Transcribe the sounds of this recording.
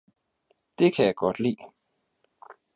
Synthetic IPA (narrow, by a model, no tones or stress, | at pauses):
d̥e̝kʰæjäɡ̥ɒ̽d̥lḭː